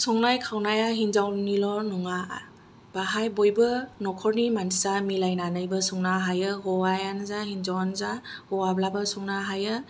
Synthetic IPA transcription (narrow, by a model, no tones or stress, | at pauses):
sɔŋnajkʰawnajaɦinzawnilɔnɔŋa | b̥aɦajbojbɯnɔkʰɔɾnimandʰizamilajnanɯjbɯsuŋnaɦajɯɡɔajanɯzahinzawanzahɔwablabɯsuŋnaɦajɯ